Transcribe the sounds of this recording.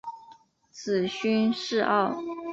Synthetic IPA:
t͡s̩ʰ˨˩ɕy˥nʂɻ̩˥˧ʔɑ̰˥˩ʊ

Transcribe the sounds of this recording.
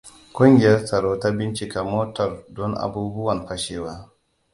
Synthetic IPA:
kʷʊ˦ŋɡʲɪ˨jɐ˦rsɐ˨ɽoː˦ta˦bɪ˦nt͡ʃi˨ka˨moː˦tɐ˨rdɔ˦nʔa̰˨buː˦bʊ˦wɐ˨nɸɐ˦ʃeː˦waː˦

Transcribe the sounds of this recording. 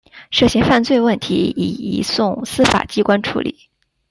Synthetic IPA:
ʂɤ˥˩ɕɛ˧˥nfa˥˧nt͡swe˥˧ɪwə˥˩nt̪ʰi˧˥ḭ˨˩ḭ˧˥sʊ˥˩ŋsɹ̩˥fa̰˨˩t͡ɕi˥kwa˥nʈ͡ʂʰṵ˧˥lḭ˨˩˦

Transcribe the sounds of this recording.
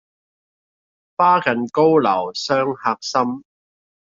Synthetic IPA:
faː˥kɐ˨nko˥wlɐ̰˨˩wsœː˥ŋhaː˧k̚sɐ˥m

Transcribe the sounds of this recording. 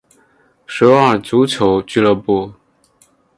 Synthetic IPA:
ʂɻ̩˧˥wɑ˥˩t͡su˧˥t͡ɕʰjo˧˥ʊt͡ɕy˥˧lə˥˧pu˥˩

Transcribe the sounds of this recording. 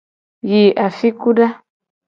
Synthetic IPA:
ji˨ʔa˨fi˦ku˦da˦

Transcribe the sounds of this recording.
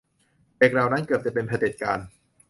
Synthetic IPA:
leː˨˩k̚ɾa˨˩wna˦˥nkɤː˨˩p̚t͡ɕa˨˩pe˧npʰa˧de˨˩t̪̚kaː˧n

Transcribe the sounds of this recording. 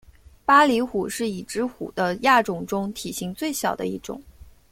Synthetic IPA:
pa˥li˧˥xu˨˩ʂɻ̩˥˩i˨˩ʈ͡ʂɻ̩˥xṵ˨˩d̪ə˦ja˥˩ʈ͡ʂʊ˨˩ŋʈ͡ʂʊ˥ŋt̪ʰi˨˩ɕi˧˥ŋt͡swe˥˩ɪɕjɑ˨˩ʊd̪ə̰˦i˥˩ʈ͡ʂʊ̰˨˩˦ŋ

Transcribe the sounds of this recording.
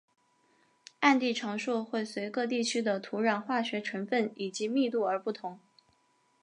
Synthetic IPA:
a˥˧nt̪i˥˩ʈ͡ʂʰɑ˧˥ŋʂu˥˧xwe˥˩ɪswe˧˥ɪkɤ˥˧t̪̬i˥˩t͡ɕʰy˥d̪ə˨t̪ʰu˧˥ɻa˨˩nxwa˥˩ɕɥɛ˧˥ʈ͡ʂʰɤ˧˥nfə˥˩ni˨˩t͡ɕi˧˥mi˥˧t̪u˥˩ə˞˧˥pu˥˩t̪ʰʊ˧˥ŋ

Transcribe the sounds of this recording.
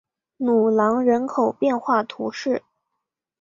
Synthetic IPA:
nu˨˩lɑ˧˥ŋɻə˧˥nkʰo˨˩ʊpjɛ˥˧nxwa˥˩t̪ʰṵ˧˥ʂɻ̩˥˩

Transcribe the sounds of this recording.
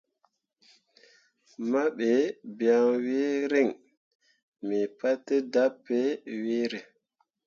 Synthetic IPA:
ma˦ɓe˨bi˨a˨ŋwe˦ɾe˦˨ŋ | mi˨pa˦tːe˦da˦pːe˦we˦ɾe˨

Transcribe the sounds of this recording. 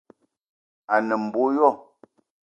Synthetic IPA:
a˨nə˨m̩˨bo˦jɔ˦˨

